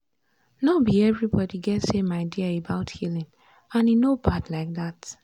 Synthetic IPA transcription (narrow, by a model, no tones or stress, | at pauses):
nɔbiɛvɹibɔdiɡɛtsemaɪdiəəbaʊthilɪ̃ŋ | ãninobadlaɪk̚ðat